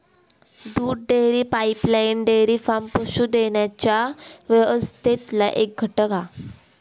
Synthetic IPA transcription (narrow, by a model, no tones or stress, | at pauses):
d̪uːɽɖeɾiːpaiplajnɖeɾiːfampəɕud̪eɳjat͡ɕaʋeʋəst̪et̪laʔek̚ɡʱəʈəka